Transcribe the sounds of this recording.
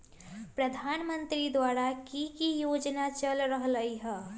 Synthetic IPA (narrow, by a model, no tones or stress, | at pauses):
pɾəd̪ʱanmənt̪ɾid̪waɾakikijod͡ʒnat͡ʃəlɾəɦləjɦə